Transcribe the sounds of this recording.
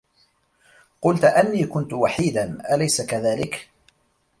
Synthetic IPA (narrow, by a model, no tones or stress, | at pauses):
qʊlt̪ʔanːiːkʊnt̪ʊwaħiːd̪anʔalajsakaðaːlɪk